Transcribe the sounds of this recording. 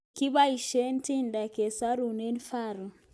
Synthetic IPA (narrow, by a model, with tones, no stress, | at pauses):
ki˦βa˦i˨ʃɛ˦n˦ti˦nda˨ke˨sa˦ɾu˨ne˦n˦fa˦˨ɾu˨